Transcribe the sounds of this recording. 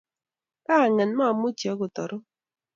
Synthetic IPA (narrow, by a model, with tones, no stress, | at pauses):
ka˦˨ŋɛ˨nma˦˨mu˦tjɔ˨˦ku˨tɔ˨ɾo˦